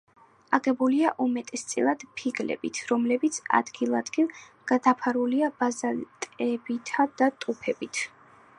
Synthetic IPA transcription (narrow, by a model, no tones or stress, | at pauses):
aʁɛbuliaʔumɛt̪ʼɛst̪sʼḭlˠad̪̥pʰiɡlɛ̰bit̪ʰɾɔmlɛbit̪sʰa̰d̪ɡilˠad̪ɡilˠ | ɡ̥ad̪apʰaɾuliabazalt̪ʼɛbit̪ʰad̪̥at̪ʼupʰɛbit̪ʰ